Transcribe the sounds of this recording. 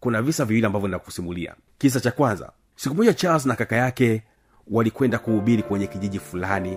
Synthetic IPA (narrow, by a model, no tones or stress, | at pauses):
kunavisaviwiliambavjɔnidaku̥simulia̰ | kis̬at͡ʃakwanza̰ | sikumɔʄat͡ʃals̬nakakajakɛ | walikwɛndakuhuɓiɾikwɛɲɛkiʄiʄifulani